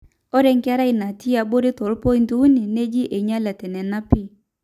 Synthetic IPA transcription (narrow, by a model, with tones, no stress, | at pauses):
ɔ˦ɾɛ˦ŋka˦ɾa˦i˨na˨ti˦a˨bo˦ɾe˦tɔ˨lpɔ˦i˦ntu˦u˦ni˨ne˦d͡ʒi˦ʔe˨ɲa˦lɛ˨tɛ˨nɛ˨na˦pi˦˨